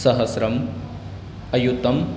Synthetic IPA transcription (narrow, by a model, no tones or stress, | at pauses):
sɐɦɐsɾɐm | ɐjut̪ɐm